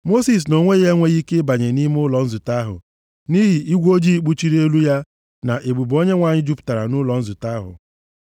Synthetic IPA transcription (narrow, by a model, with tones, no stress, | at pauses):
mo˦si˨s̬no˨ŋʷe˦ɣe˦ŋʷe˦ɣi˦ke˦ba˨ɲe˨ni˦m˦ʊ˦lɔ˨n̩˦zʊ˨ta˦ɦʊ̰˨ | ni˦ɦi˨ʔi˦ɡʷo˦d͡ʒi˦k͡pu˦t͡ʃi˦ɾi˦e˦lu˦ja˦ | na˨ʔe˨ɡ͡bu˨bo˦ɲe˦ŋʷa˨ɲɪ˦d͡ʒu˦pʊ̥˨ta˨ɾa̰˨nʊ˦lɔ˨n̩˦zʊ˨ta˦ɦʊ̰˨